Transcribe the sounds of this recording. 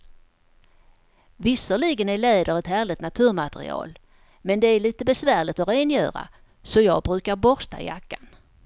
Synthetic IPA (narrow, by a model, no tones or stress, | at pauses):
vɪsəɭɪɡənæɭeːd̪əɾɛt̪hæːɭɪt̪nat̪ʰʉ̟ːɾmat̪ɛɾɪ̰ɑ̰ːl | mɛnd̪ɛæɭiːt̪əbɛsvæːɭɪt̪ɔɾeːnjœ̰ːɾa̰ | sɔjɑ̰ːɡ̚bɾʉ̟ːkaɾbɔɾst̪a̰jakːan